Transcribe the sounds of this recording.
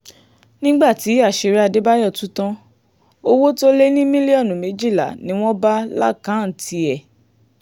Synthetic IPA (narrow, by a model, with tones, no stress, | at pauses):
nĩ˦ɡ͡ba˦˨ti˨˦a˦˨ʃe˧ɾe˦a˧de˦ba˦jɔ˦˨tũ˨˦tã˦ | o˦wo˦to˦le˦nĩ˦mĩ˦li˦ɔ˦˨nũ˨mẽ˨˦d͡ʒi˦˨la̰˨nĩ˨˦w̃ɔ̃˦ba˦la̰˦˨kã˨˦˨n̩˨tʰi˧ɛ˨